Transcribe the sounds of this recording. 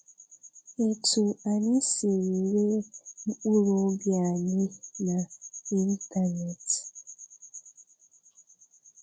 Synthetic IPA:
e˨tʰu˨a˨nɪ˦si˨ŋ̩˨we˦ŋ͡m̩˦k͡pu˦ɾo˨˦bja˨ɲɪ˦na˨i˦n˦ta˦ne˨t

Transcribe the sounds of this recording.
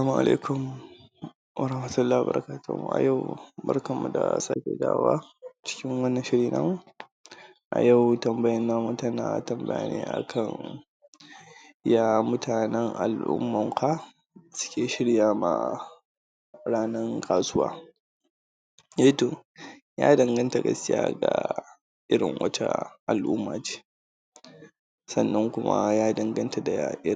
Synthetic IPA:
saː˦mu˨ʔa̰˨lʔḛ˦kʊ˨m | wɐ˨ɾɐ˦hmɐ˨tʊ˦lːaː˦˨bɐ̰˨ɾʔɐ˦kaː˦tʰṵ˦˨m˨ʔa̰˨ja˦˨wbɐ˦rkɐ˨mːu˨da̰˨saː˦kʲḛ˨da̰ː˦waː˦ | t͡ʃɪ̥˦kʲɪ˦ŋwɐ˦nːɐ˨ʃɪ˦ɽiː˨na˦m˦ | ʔa̰˨jɐ˦˨wtɐ˨mbɐ˦jɐ˦nːaː˦mu˨tɐ˦na˨tɐ˨mbɐ̰˦j̰nḛ˦ʔa̰˨kʰɐ˨ŋ | ja˦mʊ˦tʰaː˨nɛ˦ŋʔa̰˨lʔʊ̰˦mːɐ˨ŋka˦ | sʊ̥˦kʲeː˨ʃɪ˦ɽjaː˦ma̰˨ | ɽaː˦nɐ˦ŋkʰaː˨sʊ˦wa̰ː˦ | jeː˦toː˨ | jaː˦dɐ˨ŋɡɐ˦nta˨ɡɐ̰˦skʲɪ˦ja̰ː˦ɡa̰˨ | ʔɪ˦ɽɪ˨ŋwɐ̰˦t͡ʃa̰˦ʔa˨lʔʊ˦mːaː˨t͡ʃe̥ː˦ | sɐ˨nːɐ˦ŋkʷʊ˦ma̰˦jaː˦dɐ˨ŋɡɐ˦nta˨da˨jaː˨ʔɪ˦

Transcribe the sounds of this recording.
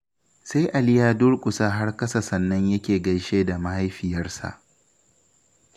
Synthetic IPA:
sa˦jʔa˨lɪ˦jaː˦dʊ˦ɽkʷʼʊ˨sa˦ɦa˦rkɐ˦sa˨sɐ˨nːɐ˦ɲjɐ˦kʲeː˨ɡɐ˦jʃeː˦da˨ma˦ha˦jɸɪ˨jɐ˦rsa̰˨ʔ

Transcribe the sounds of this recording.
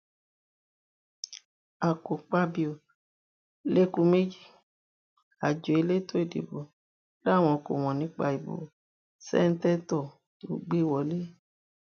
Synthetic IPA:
a˨ko˨k͡pa˧bi˦o˨ | le˦kũ˦me˦d͡ʒi˦˨ | a˨d͡ʒo˨e˨˧le˦to˦e˦˨dḛ˨bo˨ | la˦˨w̃ɔ̃˧ko˨w̃ɔ̃˨nĩ˨˦k͡pa˧i˨bo̰˨ | sɛ̰˦n̩˦tɛ˦tɔ˦˨ | o̰˨ɡ͡be˦wɔ˨le˦

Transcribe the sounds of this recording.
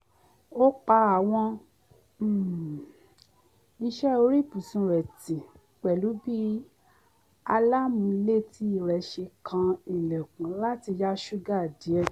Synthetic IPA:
o˦k͡pa˧˦a˨w̃ɔ̃˧˦˨ | i˧ʃɛ˦o˧ɾi˦˨pu˨sũ˧ɾɛ˨ti˨ | k͡pɛ˨lu˨˦bi˦ | a˧la˦mũ˧i˧le˦˨ti˦i˦˨ɾɛ˨˦ʃe˧kʰã˧i˨lɛ˨kũ˨˦la˦ti˧ja˦ʃu˦ɡa˦˨di˨˦ɛ˦˨

